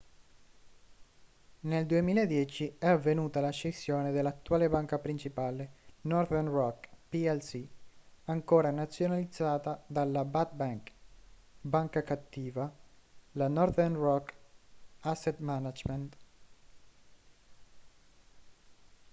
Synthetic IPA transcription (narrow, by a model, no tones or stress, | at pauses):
neld̪uemiːlaed̪jɛt͡ʃiɛavːenuːt̪alaʃesjoːned̪elːat̪ːuaːlebaŋkapɾint͡ʃipaːlenɔrd̪ɛrnrɔkpiɛlsiaŋkoːɾanat̪sːjonalid̪zːaːt̪ad̪alːabat̪̚baŋk | baŋkakat̪ːiːvalanɔɾd̪ɛrnrɔk | asːet̪manad͡ʒment̪